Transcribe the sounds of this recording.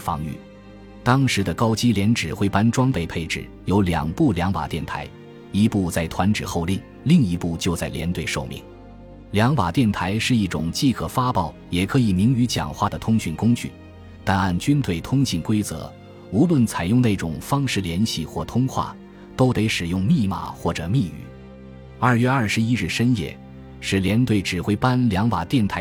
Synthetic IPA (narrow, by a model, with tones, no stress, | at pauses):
fɑ̰˥˧ŋy̰˥˩ | t̪ɑ˥ŋʂɻ̩˧˥d̪ə˧kɑ˥ʊt͡ɕi˥ljɛ˧˥nʈ͡ʂɻ̩˨˩xwe˥˩ɪpa˥nʈ͡ʂwɑ˥ŋpe˥˧ɪpʰe˥˧ɪʈ͡ʂɻ̩˨˩ | jo˧˥ʊljɑ̰˨˩ŋpu˥˩ljɑ˧˥ŋpa̰˨˩t̪jɛ˥˩nt̪ʰa̰˧˥ɪ | i˧˥pu˥˧t͡sa˥˩ɪt̪ʰwa˧˥nʈ͡ʂɻ̩˨˩xo˥˧ʊli˥˩ | li˥˩ŋi˧˥pu˥˩t͡ɕjo˥˧ʊt͡sa˥˩ɪljɛ̰˧˥nt̪we˥˧ɪʂo˥˧ʊmḭ˧˩˦ŋ | ljɑ˧˥ŋpa˨˩t̪jɛ˥˩nt̪ʰa˧˥ɪʂɻ̩˥˧i˥˩ʈ͡ʂʊ̰˨˩ŋt͡ɕi˥˧kʰɤ˨˩fa˥pɑ˥˩ʊjɛ˨˩kʰɤ˧˥i˨˩mi˧˥ŋy˧˥t͡ɕjɑ̰˨˩ŋxwa˥˩d̪ə˩t̪ʰʊ˥ŋɕy˥˩nkʊ˥ŋt͡ɕy̰˥˩ | t̪a˥˧na˥˩nt͡ɕy˥nt̪ʰwe˥˩ɪt̪ʰʊ˥ŋɕi˥˩nkwe˥ɪt͡sɤ̰˧˥ | u˧˥lwə˥˩nt͡sʰa˨˩ɪjʊ˥˧ŋne˥˩ʈ͡ʂʊ˨˩ŋfɑ˥ŋʂɻ̩˥˩ljɛ˧˥nɕi˥˧xwɔ˥˩t̪ʰʊ˥ŋxwa̰˥˩ | t̪o˥ʊt̪e˧˥ɪʂɻ̩˨˩jʊ˥˧ŋmi˥˧ma̰˥˩xwɔ˥˩ʈ͡ʂɤ˨˩mi˥˧y̰˨˩˦ | ɐ˞˥˩ɥɛ˥˧ɐ˞˥˩ʂɻ̩˧˥i˥ɻ̩˥˩ʂə˥njɛ̰˥˩ | ʂɻ̩˥˩ljɛ˧˥nt̪we˥˩ɪʈ͡ʂɻ̩˨˩xwe˥ɪpa˥nljɑ˧˥ŋpa̰˨˩t̪jɛ˥˩nt̪ʰa˧˥ɪ